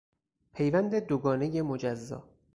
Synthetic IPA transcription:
pʰe̞jvænd̪e̞d̪oɡɒːnejemod͡ʒæzːɒ̰ː

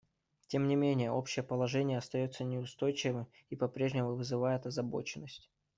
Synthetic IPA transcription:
tʲe̞mnʲɪmʲenʲɪjəʔo̞pɕɪjəpəlˠɐʐɛnʲɪjəɐst̪ɐjo̞t̪sənʲɪʊst̪o̞jt͡ɕɪvɨ | ipɐpɾʲe̞ʐnʲɪmʊvɨzɨvajɪt̪ɐzɐbo̞̰t͡ɕɪnːəsʲtʲ

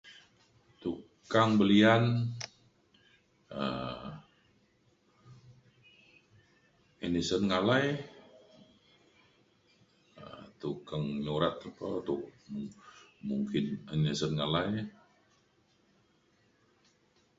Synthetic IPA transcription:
t̪u | kaŋbəlian | ə | inisənŋalaj | ət̪ukaŋɲoɾat̪əpət̪uʔmmuŋkɪnənisənŋalaj

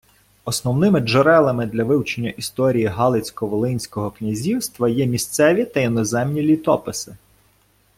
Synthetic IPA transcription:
ɔsnɔwnɪmɪd͡ʒeɾɛlˠɐmɪd̪lʲɐʋɪwt͡ʃenʲːɐʔist̪ɔɾʲijiɦɑlˠɪt͡sʲkɔʋɔlˠɪnʲsʲkɔɦɔknʲɐzʲiwst̪ʋɐjɛmʲist̪sɛʋʲit̪ɐinɔzɛmnʲilʲit̪ɔpɪsɪ

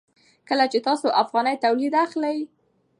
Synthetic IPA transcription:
kəlat͡ʃet̪ɑsoʔafɣɑnəjt̪awlid̪axləj

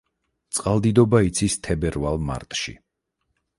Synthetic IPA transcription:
t̪sʼqʼalˠd̪id̪ɔbait̪sʰist̪ʰɛbɛɾvalˠma̰ɾt̪ʼʃḭ

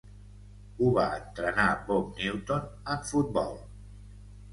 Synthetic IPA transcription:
uβaənt̪ɾənabop̚niwt̪onəfut̪̚bɔ̰lˠ

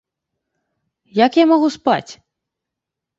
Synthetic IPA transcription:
jakjamɔɣuspa̰t͡sʲ

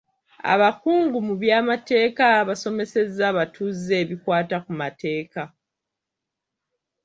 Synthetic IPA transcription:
a̰βakuːŋɡumuβjaːmate̞ːkaβaso̞me̞se̞zːaβatʰuze̞ːβikwaːtakumatʰe̞ːka

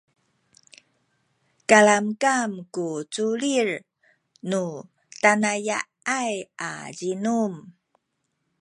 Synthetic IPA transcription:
kalamkamkut͡suɭir | nu | tanaja | aja̰ɟinum

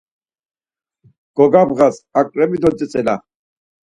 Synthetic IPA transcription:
ɡ̥ɔɡabɣasakʼɾɛbid̪ɔt͡sʼɛt͡sʼɛla̰

